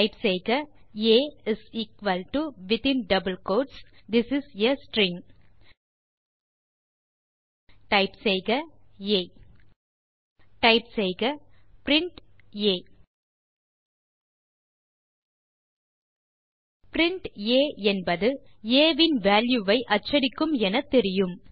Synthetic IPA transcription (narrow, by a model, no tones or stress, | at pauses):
ɪpsɛjɣɐeːɪsiːkʋɐlʈuʋɪt̪ɪ̃nɖɐbəlkoːɖsd̪ɪsɪsjɐsʈɾɪ̃ŋ | ʈɐɪpsɛjɣɐeː | ʈɐɪpsɛjɣɐpɾɪɳʈeː | pɾɪɳʈeːɛnbɐðɯeːʋɪnʋaːljuʋɐɪʔɐt͡ʃːɐɾɪkːɯmɛnɐt̪ːɛɾɪjɯm